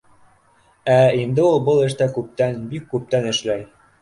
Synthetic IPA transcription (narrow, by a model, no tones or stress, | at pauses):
æind̪ɘulˠbɤlˠɘ̆ʃt̪ækʉp̚t̪ænbikːʉp̚t̪ænɘ̆ʃlæj